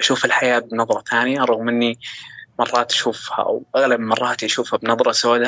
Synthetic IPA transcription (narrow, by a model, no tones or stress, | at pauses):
ʔaʃuːfalħajaːbɪnɑðˤɾˤɑt̪ʰaːnɪjaɾˤɑɣmʔɪnːimɑrˤːɑːt̪ḁʃuːfha̰wʔaɣlabmɑrˤːɑːt̪ʔaʃuːfhabnɑðˤɾˤɑsaːʔd̪ha